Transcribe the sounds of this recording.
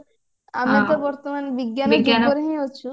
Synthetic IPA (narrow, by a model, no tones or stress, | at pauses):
a̰mat̪obɔɾt̪omanbiɡːanbiɡiankoɾeɦẽjoːt͡ɕʰu